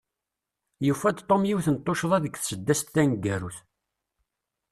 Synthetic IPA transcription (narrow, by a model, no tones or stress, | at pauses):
jufːæd̪t̪ˤːomjiwθənt̪ˤːoʃðˤæðəɡθsəd̪ːæst̪ːænəɡːæɾuθ